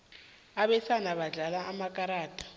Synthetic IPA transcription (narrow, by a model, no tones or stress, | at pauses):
aɓɛsanaɓaɮalaʔːmakʼaɾaːtʰʼɔ̥